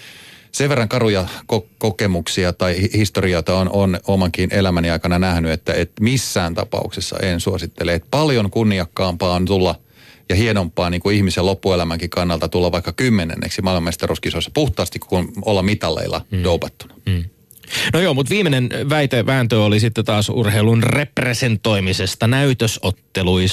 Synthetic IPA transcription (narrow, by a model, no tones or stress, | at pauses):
seʋerːɑŋkɑrujɑkokokemuksiɑt̪ɑihist̪oriot̪ɑononomɑŋkinelæmæniɑikɑnɑnæhnyet̪ːæet̪misːæːnt̪ɑ̰pɑ̰ṵksesːɑ̰ʔḛnsuosit̪ːeleːt̪pɑljoŋkunːiɑkːɑːmpɑːont̪ulːɑ | jɑhienompːˑɑːniːŋkuihmisellopːuelæmæŋkikɑnːɑlt̪ɑt̪ulːɑʋʋɑikːɑkymːenḛnːḛksimɑlmɑmest̪eruskisosːɑ̥puht̪ˑɑːst̪ikkunolːɑmit̪ɑlːḛilːɑ̰joupɑt̪ːu̥nɑ̥ | nojoːmut̪ʋiːmenenʋæit̪eʋæːnt̪øːolisit̪ːet̪ɑːsṵrheilunrepresent̪o̞imisest̪ɑnæyt̪øsot̪ːelui